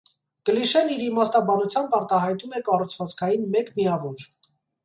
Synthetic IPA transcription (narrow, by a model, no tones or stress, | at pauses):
kəliʃɛniɾimɑst̪ɑbɑnut͡sʰjɑmbɑɾt̪ɑɦɑjt̪umɛkɑrut͡sʰvɑt͡skʰɑjinmɛkmiɑvɔɾ